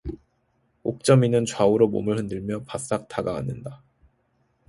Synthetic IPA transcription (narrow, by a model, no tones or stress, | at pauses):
ok̚t͡ɕ͈ʌminɯnt͡ɕwauɾomo̰mɯɭhɯndɯɭmjʌpas͈ak̚t͈ʰaɡaa̰nːɯnda